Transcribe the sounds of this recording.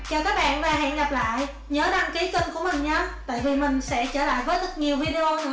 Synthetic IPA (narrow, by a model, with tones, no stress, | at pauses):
t͡ɕɔː˨˩kaː˦˥k̚ɓa̰ː˧˨nvaː˨˩ɦɛ̰˧˨nɣa˨˩p̚la̰ː˧˨j | ɲəː˨˦ɗa˧ŋki˨˦ki˧ŋ̟ku˧˩əmï˨˩ŋ̟ɲaː˨˧t̪a̰ː˧˨jvi˨˩mï˨˩ŋ̟sɛ̰˧˥t͡ɕəː˧˩la̰ː˧˨jvəː˨˦jt̪ə˦˥k̚ɲi˨˩əwvi˧ɗe˧ʔo˧nɨ̰˧˥ə